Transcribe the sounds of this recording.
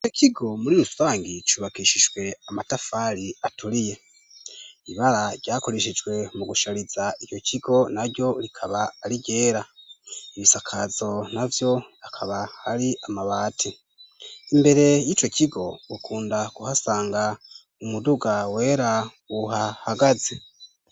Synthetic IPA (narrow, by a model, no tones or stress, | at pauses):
it͡ʃo̞cʰiɡo̞muɾiɾusaːŋɡit͡ʃuβakiʃid͡ʒwe̞amatafaɾiatuɾije̞ | iβaɾaɟaːko̞ɾeʃ̬id͡ʒɡwe̞muɡuʃaɾizait͡ʃo̞cʰiɡo̞naɾɟo̞ɾikʰaβaːɾiɟe̞ːɾaiβisakʰazo̞navjo̞akʰaβahaɾiʔamaβaːtʰi | imbe̞ɾe̞jiːt͡ʃo̞cʰiɡo̞ukʰuːndaɡuhasaːŋɡa | umuduɡawe̞ːɾa | uɦahaɡaze